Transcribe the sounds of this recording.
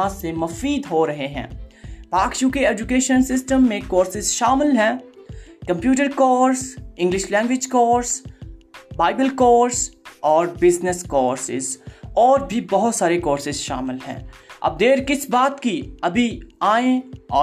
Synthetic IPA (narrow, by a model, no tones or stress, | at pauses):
ãsemɐfiːd̪ɦoɾɐɦeɦɛ̰̃ːpaːkʃũkeɛːd͡ʒʊkeːʃənsɪsʈəmːẽkoːɾsɪzʃaːmɪlɦɛ̃ːkɐ̃mpjuːʈ̬əɾkɔːɾsɪ̃ŋɡlɪʃlɛ̃ːŋɡwɪd͡ʒkɔːɾs | baːɪbəlkɔːɾsɔːɾbɪznəskɔːɾsɪ̰zɔːɾbʱibɐɦʊt̪saːɾekɔːɾsɪzʃa̰ːmɪlɦɛ̰̃ːɐ̰b̚d̪eːɾkɪsbaːt̪kiɐbʱiaːẽɔː